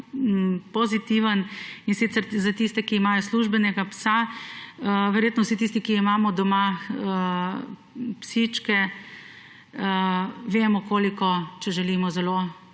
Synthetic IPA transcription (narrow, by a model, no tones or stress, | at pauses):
pɔzit̪iʋəninsit̪sɛɾzat̪ist̪ɛkiːmaːjɔsluʒbɛnɛɡapsa | ʋɛɾjeːt̪nɔwsit̪is̬t̪ikiimaːmɔd̪ɔmaə | psit͡ʃkɛ | ʋeːmɔkoːlikɔt͡ʃɛʒɛliːmɔzɛlo